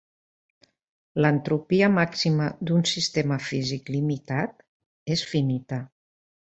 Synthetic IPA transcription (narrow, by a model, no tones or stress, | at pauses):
lənt̪ɾupiəmaksiməðd̪unsist̪eməfiziklimit̪at̪̚ | esfinit̪ə